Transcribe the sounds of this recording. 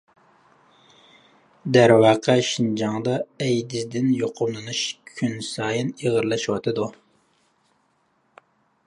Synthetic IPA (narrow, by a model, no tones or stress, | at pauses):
d̪æɾwɑːqʰəʃind͡ʒɑŋd̪ɑɛjd̪ɪzd̪ɪnjoqʰʊmlˠɨnuʃkʲʰynsɑːjiniʁəɾlˠɑʃwɑt̪ʰɨd̪u